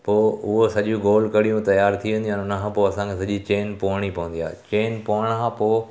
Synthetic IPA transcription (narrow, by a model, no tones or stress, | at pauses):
poːʊɦosɐʄũɡoːlkɐɽijũt̪ɐjaːɾt̪ʰiʋẽnd̪ũɦnʊnəkʰãːpoːɐsãkʰesɐʄit͡ɕeːnpoːɽ̃ipɐʋə̃nd̪ia̰ːt͡ɕeːnpoːɽ̃kãpoː